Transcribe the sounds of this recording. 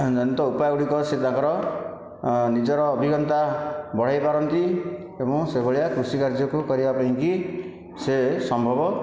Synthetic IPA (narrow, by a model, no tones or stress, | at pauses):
d͡ʒɔnit̪ɔupajuɽikɔset̪ãkɔɾɔ | nid͡ʒɔɾɔːbʱiɡɔnt̪abɔɽ̤ajpaɾɔnt̪i | ebɔ̃ŋsebɔɭijakɾusikaɾd͡ʒjɔkukɔɾibapaɦĩŋki | sesɔmbʱɔbɔ